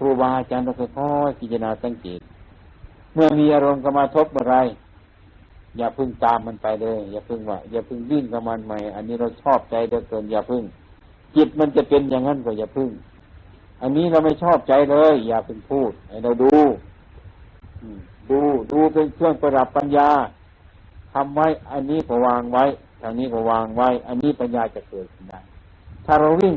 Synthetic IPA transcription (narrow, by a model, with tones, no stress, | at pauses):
kʰɾuː˧˩baː˧ʔa˧t͡ɕaː˧˨nla˧˩ka˧˩jkʰɔː˧˩jk̪ʰiː˧˩t͡ɕa˧naː˧sa˧˥˨ŋkḛː˨˦t̪̚ | mɯ˧˩ɐmiː˧ʔaː˧ɾo˧mka˧wmaː˧t̪ʰo˧˥p̚bɔː˧˨ɾa˧˩˨j | jaː˨˩pʰɯ˧˥˩ŋt̪aː˨˧mːa˧˥˨npa˨jlɤː˧˨jːaː˨˩pʰɯ˧˩ŋwaː˧˩jaː˧˩pʰɯ˧˩˨ŋwi˧˩˨ŋka˧˩ma˧˥˨nma˧˩jʔa̰˧˨nːiː˧˥ɾa˧wt͡ɕʰɔː˧˥˩p̚t͡ɕa˧jlɤː˧˩jkɤː˧˩njaː˨˩pʰɯ˧˥˨ŋ | t͡ɕi˧˩t̪̚ma˧˥˨nt͡ɕa˧pe˧nja˧˨ŋːa˧˥˨nkɔ˧˩jaː˧˨pʰɯ˧˨ŋ | ʔa˧˨nːiː˦˥˨la˧˩wma˧˥˩jt͡ɕʰɔː˥˩p̚t͡ɕa˧jlɤː˧˨jːaː˨˩pʰɯ˧˩ŋpʰuː˧˥˩t̪̚ha˧˩jɾa˧˩wduː˧ | ʔɯː˧˩duː˧duː˧pe˧nkʰɯ˧˥˩əŋpa˧ɾa˧˦pːa˧njaː˧ | k̪ʰa˧˥mwa˧˥˨jʔa˧nːiː˧˥˨kɔː˧˩waː˧ŋwa˦˧˥j | t̪ʰa˧˩niː˧˥˩kɔː˧˩waː˧ŋwa˧˥˨jʔa˧nːiː˦˥˨pa˧njaː˧t͡ɕa˧kɤː˨˩t̪̚kʰɯ˧˩nda˧˥˩j | t̪ʰaː˧˩ɾa˧wwi˧˥˩ŋ